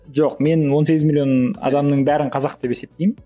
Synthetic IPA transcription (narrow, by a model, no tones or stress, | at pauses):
ʒoqme̞nwo̞ns̬e̞ɡʲɪzmilʲijonɑ̰d̪ɑmnəɴbæɾɪɴqʰɑzɑq̚t̪e̞pese̞p̚t̪ejm